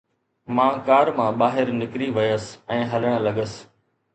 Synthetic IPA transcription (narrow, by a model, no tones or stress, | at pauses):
mãːkaːɾmãːɓaːɦɪɾnɪkɾiʋɐjəsɛ̃ːɦɐləɽ̃lɐɠəs